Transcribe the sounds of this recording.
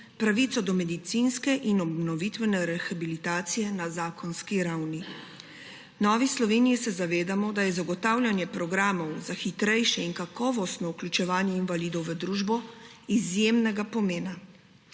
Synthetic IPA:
pɾaʋiːt̪sɔd̪ɔmɛd̪it̪sinskɛʔinɔbnɔʋit̪ʋɛnɛɾɛxabilit̪aːt̪sijɛnazaːkʰɔnskiɾawni | nɔːʋislɔʋeːnijisɛzaʋeːd̪amɔd̪ajɛzaɡɔt̪aːwlʲjanjɛpɾɔɡɾaːmɔwzaxit̪ɾɛjʃɛinkakɔːʋɔst̪nɔuklʲut͡ʃɛʋaːnjɛinvaliːd̪ɔwʋəd̪ɾuːʒbɔizjemnɛɡapɔmeːna

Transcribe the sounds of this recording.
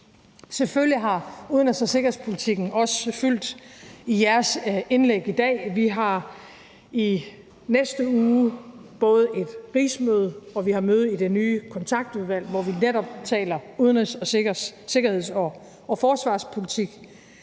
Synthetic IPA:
seføljiɦɑ̈uðˠənʁesɒse̝ɡɐhe̝spʰo̝lit͡sʰiɡ̥n̩ɒ̽səfyl̰d̥ijæɐse̝nleɡ̥id̥ɛ̰ːʋiɦɑ̈ | i | nesd̥əuːb̥ɔ̽ːð̞̩ˠe̝d̥ʁḭːsmøːð̞ˠɒ̽ʋihɑ̈møːð̩ˠid̥e̝nyːkʰɒ̽nt͡sʰɑ̈ɡ̥̚d̥uð̞ˠʋæl̰ʋɒʋineɾɒ̽b̥t͡sʰɛ̰ːlɐuðˠnʁesɒse̝ɡ̥ɐhe̝ð̞̰ˠsɒ | ɒfɒːsʋɑ̰̈ːspʰo̝lit͡sʰiɡ̥

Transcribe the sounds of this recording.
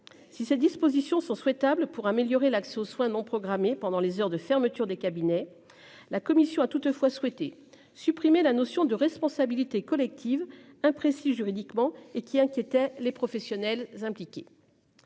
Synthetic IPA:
sised̪ispozisjɔ̃sɔ̃swɛt̪ablpuʁameljɔʁelaksɛoswɛ̃nɔ̃pχɔɡʁamepɑ̃d̪ɑ̃lezœʁd̪əfɛʁmət̪yʁd̪ekabinɛ | lakɔmisjɔ̃at̪ut̪fwaswɛt̪e | sypχimelanɔsjɔ̃d̪əʁɛspɔ̃sabilit̪ekɔlɛk̚t̪ʰiv | ɛ̃pχesiʒyʁid̪ikmɑ̃ekʲiɛ̃kʲjet̪ɛlepχɔfɛsjɔnɛlzɛ̃plikʲe

